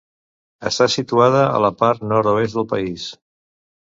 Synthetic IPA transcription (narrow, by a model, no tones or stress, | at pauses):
ə̰st̪asit̪uað̞əə̰ləpaɾt̪nɔɾt̪oest̪d̪əlˠpəis